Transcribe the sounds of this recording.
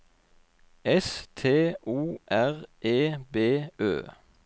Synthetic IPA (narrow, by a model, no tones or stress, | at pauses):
ɛst̪ʰeːuːʔæʁʔeːbeːʔø̰ː